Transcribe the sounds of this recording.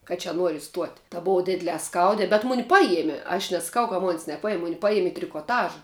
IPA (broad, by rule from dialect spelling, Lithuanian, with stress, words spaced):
kɐ t͡ʃʲɛ ˈnuɔrʲɪ ɪˈstuɔtʲ tɐ ˈboːʋɐ ˈdʲɪdʲlʲɛː ˈskɐʊdʲɛː bʲɛt ˈmʊnʲɪ ˈpɑːjiɛmʲiɛ ɐʃ nʲɛsɐˈkɐʊ kɐ moːnʲsʲ nʲɛˈpɑːjɪm ˈmʊnʲɪ ˈpɑːjiɛmʲ ɪ tʲrʲɪkoːˈtɑːʒɐ